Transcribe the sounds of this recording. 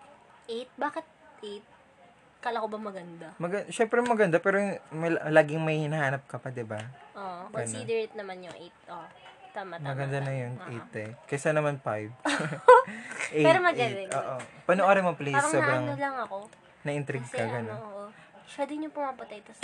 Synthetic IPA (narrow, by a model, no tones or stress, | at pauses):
ʔejt̪̚baːkɪt̪̚ʔejt̪̚ | kalɐkobɐmɐɡɐnd̪amɐɡɐʃɛmpɾɛmɐɡɐnd̪apɛːɾomɐllaːɡɪŋmɐjhɪnɐhaːnɐp̚kɐpad̪ɪbaʔoʔkoɡɐnsid̪ɛɹet̪̚nɐmanjʊŋʔejt̪̚ʔot̪amɐmɐɡɐnd̪anɐjonʔejt̪ɛkɐjsanɐmanfajv | ʔepɛɾomɐɡɐɐoːʔopɐnoʔoːɾɐmɐplejsɾɐsobɾɐŋolɐŋɐko̞ | nɐʔɪnt̪ɾɪɡɐɡɐnonoʔo | pɛd̪ɪɲopʊmapɐt̪ɐjt̪ɐs